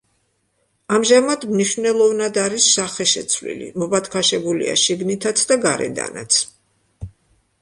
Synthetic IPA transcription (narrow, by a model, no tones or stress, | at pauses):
amʒamad̪mniʃvnɛlˠɔvnad̪aɾisːaχɛʃɛt̪sʰvlḭlḭmɔbat̪ʰkʰaʃɛbulḭa̰ʃiɡnit̪ʰat̪sʰd̪aɡaɾɛ̰d̪a̰na̰t̪sʰ